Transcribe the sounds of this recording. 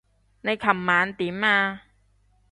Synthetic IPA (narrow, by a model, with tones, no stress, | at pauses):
na˧jkʰa˨˩mːaː˨˥nt̪i˨˦mːaː˧